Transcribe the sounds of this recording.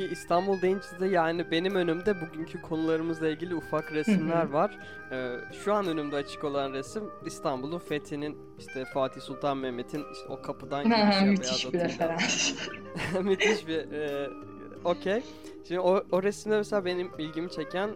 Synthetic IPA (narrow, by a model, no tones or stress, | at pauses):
iist̪ʰanbulˠd̪ejint͡ʃʰsid̪ɛjaːnibe̞nimø̞nymd̪ɛbuɟyɲcʰykʰo̞nulˠaɾɯmɯzlˠailʲɟʲilʲiufakɾesmlʲæɾvaɾ̥ | ɛːʃuanø̞nymd̪ɛat͡ʃʰɯ̥ko̞lˠanɾesimist̪ʰanbulˠunfet̪ʰinin | iʃt̪ʰɛfaːt̪ʰisulˠt̪ʰanmemːe̞t̪ʰin | o̞̰kʰapʰɯd̪anaɦamytazʃabiɾefeɾans | myt̪ʰiʃbiɛ | o̞cʰej | ʃimd̪ooɾesimd̪ɛmɛselʲaːbe̞nimbilʲɟimit͡ʃʰecʰæn